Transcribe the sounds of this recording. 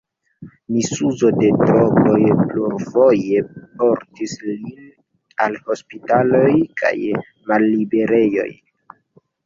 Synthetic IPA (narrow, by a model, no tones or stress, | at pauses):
misuzo̞de̞tɾoɡo̞jpluɾvo̞je̞po̞ɾtislin | alho̞spitalo̞jkʰa̰j | malːibe̞ɾe̞jo̞̰j